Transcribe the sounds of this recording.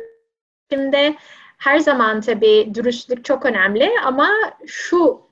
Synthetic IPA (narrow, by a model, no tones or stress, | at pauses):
imd̪ɛ | hæɾzamant̪ʰabiːd̪yɾyʃlʲyc̚t͡ʃʰo̞kø̞næmlʲɪamaʃu